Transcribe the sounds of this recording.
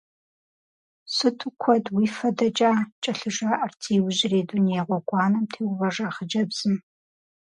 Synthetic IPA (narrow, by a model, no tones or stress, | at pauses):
sɨtʰʊkʷʰɔdwiːfɐdɐt͡ʃʼaːt͡ʃʼɐɬɨʒaːʔɐrtʰiːwʊʑɪreːduneːʁʷɔɡʷʼɑːnɐmtʰeːwvɐʐaːχəd͡ʒɐbz̥ɨm